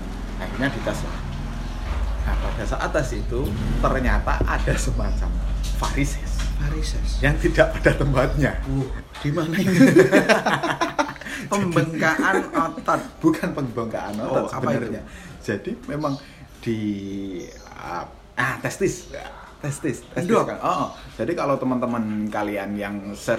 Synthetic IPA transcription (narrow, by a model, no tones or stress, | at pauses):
a̰iɲad̥it̪asla̰h | ʔapad̥asaʔa̰t̪asit̪ut̪ərɲat̪aʔad̥asəmat͡ʃamfaɾisɛsfaɾisɛsjaŋt̪idaʔpad̥at̪əmpat̪̚ɲauh | d̥imanai | pəmbəŋkaʔanɔt̪at̪̚b̥ukanpəŋbaŋka̰ʔa̰nɔbənərɲad͡ʒadimemaŋ | d̥i | ə̰ | ʔaht̪ɛst̪ɪs | t̪ɛst̪ɪst̪ɛstkanʔɔʔd͡ʒ̥adikalot̪əmənt̪əmənkalianjaŋsə